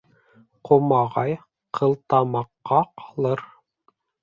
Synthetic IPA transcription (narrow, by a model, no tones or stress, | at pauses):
qʰomɑʁɑj | qʰɤ̆lˠt̪ɑmɑqːɑqʰɑ̥lˠɤɾ